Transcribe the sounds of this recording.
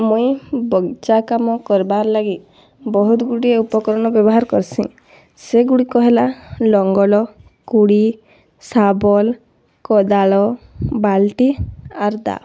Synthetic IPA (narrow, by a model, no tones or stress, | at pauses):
mujbɔɡt͡ʃakamɔkɔɾbaɾɔlaɡi | bɔɦut̪ɡuɽieupɔkɔɾɔnɔbjɔbɔɦaɾɔkɔɾsʰḭ̃ | seɡuɽikɔɦelalɔŋɡɔlɔ | kuɽi | sabɔl | kɔd̪aɭɔbalʈiaɾd̪a̰